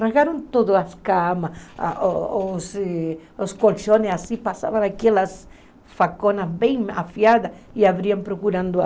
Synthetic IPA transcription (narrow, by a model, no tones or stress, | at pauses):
raɣaɾõnt̪od̪oaskamas | os | oskolt͡ʃonesasipasa̰βanakelas | fakonasbẽj̃a̰fjad̪ɐ | iaβɾiampɾokuɾãnd̪ʊ